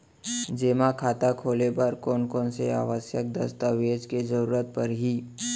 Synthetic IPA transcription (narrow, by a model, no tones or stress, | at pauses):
d͡ʒeːmakʰaːt̪akʰoːlebəɾkɔːnkɔːnsea̰ːʋəsjək̚d̪əst̪əʋeːd͡ʒkezəɾuːɾət̪̚pəɾɦiː